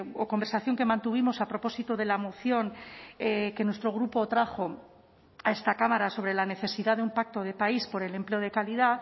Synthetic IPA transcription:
oko̞mbe̞ɾsaθjo̞ŋke̞mãnt̪uβ̞imo̞sapɾopo̞sit̪oðe̞lamo̞θjo̞ŋeke̞nwest̪ɾo̞ɣ̞ɾupo̞t̪ɾaxo̞ | ae̞st̪akamaɾaso̞β̞ɾe̞lane̞θe̞siðaðeumpak̚t̪o̞ð̞e̞paispo̞ɾe̞le̞mple̞o̞ð̞e̞kaliða

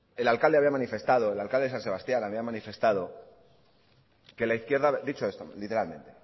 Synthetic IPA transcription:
e̞lalkald̪eaβiamãnife̞st̪aðo̞elalkald̪esanse̞βast̪janaβiamãnife̞st̪aðo̞ | ke̞laiθkje̞ɾðad̪it͡ʃo̞e̞st̪o̰lit̪e̞ɾalmẽ̞nt̪e̞

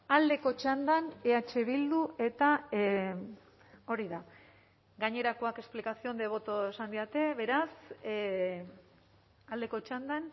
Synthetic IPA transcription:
ald̪e̞ko̞t͡ʃand̪aneat͡ʃe̞βild̪uʔe̞t̪a | o̞ɾiða | ɡaɲe̞ɾako̞ake̞splikasiond̪e̞β̞o̞t̪oe̞sand̪iat̪e̞βe̞ɾas | ald̪e̞ko̞t͡ʃand̪an

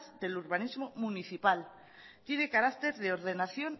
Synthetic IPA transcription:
θd̪e̞luɾβanizmomuniθipal | t̪jene̞kaɾakt̪e̞ɾðeo̞ɾð̞e̞naθjo̞n

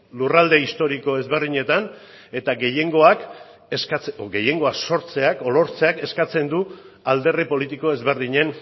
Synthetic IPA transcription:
lurald̪e̞ist̪o̞ɾiko̞e̞zβe̞rðiɲe̞t̪an | e̞t̪aɡe̞je̞ŋɡo̞ak | eskat͡sɡe̞je̞ŋɡo̞akso̞ɾt͡se̞ako̞lo̞ɾt͡se̞ake̞skat͡se̞nd̪u | ald̪e̞ripo̞lit̪iko̞e̞zβe̞ɾðiɲe̞n

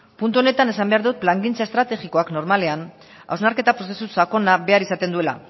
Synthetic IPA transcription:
punt̪uo̞ne̞t̪ane̞sambe̞aɾðut̪̚plaŋɡint͡saest̪ɾat̪e̞ɣiko̞akno̞ɾmale̞an | a̰wznaɾke̞t̪apɾo̞se̞susako̞nabe̞aɾisat̪e̞nd̪ue̞la̰

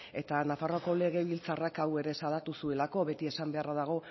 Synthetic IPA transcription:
e̞t̪anafaro̞ko̞le̞ɣ̞e̞βilt͡sarakawe̞ɾe̞saðat̪usue̞lako̞βe̞t̪ie̞sambe̞araðaɣ̞o̞

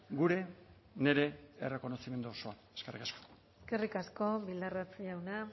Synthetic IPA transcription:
ɡuɾe̞ | ne̞ɾe̞ere̞ko̞no̞sime̞nd̪oːso̞a | eskerḭkasko̥eske̞rikasko̞βild̪arat͡sʎawna

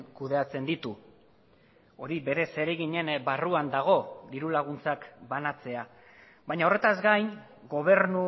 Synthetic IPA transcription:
kuðe̞at͡se̞nd̪it̪u | o̞ɾibe̞ɾe̞se̞ɾe̞ɣiɲe̞nbaruand̪aɣ̞o̞d̪iɾulaɣ̞unt͡sakbanat͡se̞a | βajɲao̞re̞t̪azɡajn | ɡo̞β̞e̞ɾnu

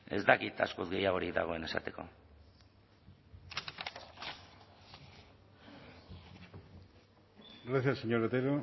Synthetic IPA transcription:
e̞̰zd̪akit̪a̰skuzɡe̞jaɣ̞o̞ɾikd̪a̰ɣ̞o̞e̞ne̞sa̰t̪e̞ko̞̰ | reθaseɲoɾet̪eɾo

